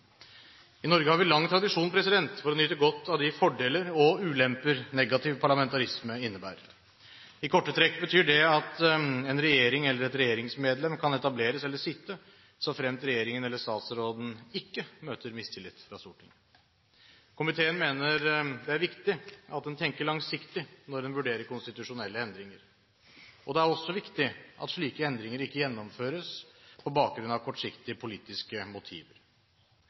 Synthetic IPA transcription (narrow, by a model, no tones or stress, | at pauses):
ɪnɔɾɡəhɑɾʋɪlɑŋːt̪ʰɾɑd̪ɪʂuːnpʰɾɛsɪd̪ɛnt̪fɔɾɔnʏt̪əɡɔt̪ːɑʋd̪ɪfɔɖeːləɾɔʉːlɛmpəɾnɛɡɑt̪ʰɪʋpʰɑɭɑmɛnt̪ɑɾɪsməɪnːəbæ̰ːɾə | ɪkʰɔʈːət̪ʰɾɛkːbət̪ʰyːɖɛɑt̪ɛnɾɛjeːɾɪŋɛlːəɾɛt̪ɾɛjeːɾɪŋsmeːd̪lɛmkʰɑnɛt̪ɑbleːɾəsɛlːəʂɪt̪ːə | sɔfɾɛmst̪ɾɛjeːɾɪŋənɛlːəʂt̪ɑːt̪sɾoːd̪n̩ɪkːəmøːt̪əɾmɪst̪ʰɪlːɪt̪ːfɾɑsʊʈən | kʰʊmɪt̪ʰeːənmeːnəɾd̪ɛæɾʋɪkt̪ɪɑt̪̚d̪ɛnt̪ʰɛŋkəɭɑŋsɪkt̪ɪnɔɖ̪ɛnʋʉɖeːɾəɾkʊnst̪ɪt̪ʉʂʊnɛlːəɛnd̪ɾɪŋəɾ | ɔd̪ɛæɾɔsːɔʋɪkt̪ɪʔɑ̰t̪ʂɭiːkəɛnd̪ɾɪŋəɾɪkːəjɛnːɔmføːɾəspʰɔbɑːk̚ɡɾʉnɑʋkʰɔʈːʂɪkt̪ɪəpʰʊliːt̪ɪskəmʊt̪ʰḭːʋəɾ